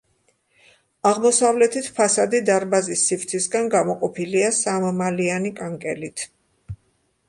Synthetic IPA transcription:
aʁmɔsavlɛt̪ʰit̪ʰpʰasad̪id̪aɾbazisːift̪sʰisɡanɡamɔqʼɔpʰiliasammalianikʼaŋkʼɛlit̪ʰ

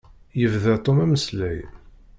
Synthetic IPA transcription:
jəvðæt̪ˤomæməslæj

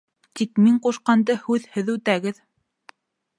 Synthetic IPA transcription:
t̪ikmiɴquʃqɑnd̪ɤhʉðhɘðʉt̪æɡɘð

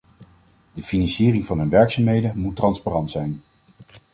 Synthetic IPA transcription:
dəfinɑnsiːrɪŋvɑnɦɵnʋɛɹksamɦejdəmutːrɑnsparɑntsɛjn

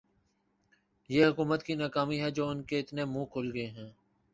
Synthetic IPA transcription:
jeːɦʊkuːmət̪kinaːkaːmiɦɛd͡ʒoːʊnkeɪt̪nemũːkʰʊlɡəeɦɛ̃ː

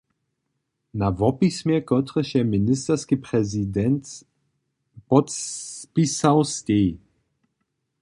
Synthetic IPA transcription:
navɔpismjɛkɔt̪ɾəʃjɛminɪst̪ɛrskipɾɛzid̪ɛnt̪ | pɔt̪pisawst̪ʲeː

